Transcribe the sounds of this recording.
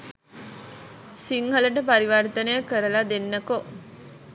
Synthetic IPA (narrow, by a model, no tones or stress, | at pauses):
siŋɦələʈ̬əpaɾiʋart̪ənəjəkəɾəlad̪enːəko